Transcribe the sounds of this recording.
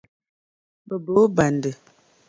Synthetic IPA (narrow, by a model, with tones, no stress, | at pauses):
bə˨bo˨˦ba˨ndə˨